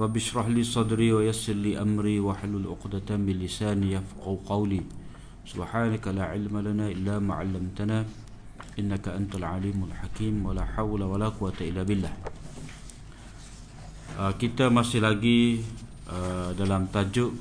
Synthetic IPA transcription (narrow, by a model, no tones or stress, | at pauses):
rˤɑbːɪʃɾɑħliːsˤɑd̪ɾiwajasɪrliʔamɾiːwaħlːalʔʊ̰qdat̪abɪlisaːnjafqɑwqɑwliː | subħaːnakalaʕɪlmalanaʔɪlːama̰ːʕa̰lːamt̪ana | ʔɪnːakaʔant̪alʕa̰liːmalħakiːmwalaħawlawalaquwat̪aɪlːabɪlːah | əkit̪amasɪhlaɡi | ʔədalamt̪ad͡ʒʊʔ